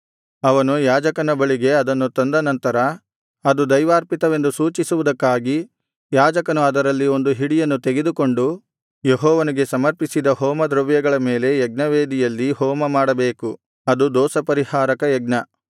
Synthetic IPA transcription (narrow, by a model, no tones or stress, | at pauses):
ɐʋɐnujaːd͡ʒɐkɐnɐbɐɭiɡe̞ɐd̪ɐnːut̪ond̪ɐnɐnt̪ɐɾɐ | ɐd̪ud̪ɐjʋaːɾpit̪ɐʋe̞nd̪usuːt͡ʃisuʋud̪ɐkːaːɡi | jaːd͡ʒɐkɐnuɐd̪ɐɾɐlːio̞nd̪uɦiɽijɐnːut̪eɡe̞d̪uko̞ɳɖu | jeɦɔːʋɐniɡe̞sɐmɐɾpisid̪ɐɦɔːmɐd̪ɾɐʋjɐɡɐɭɐme̞ːle̞jɛɡnɐʋe̞ːd̪ijɐlːihɔːmɐmaːɽɐbeːku | ɐd̪ud̪ɔːsɐpɐɾihaːɾɐkɐjɛɡnɐ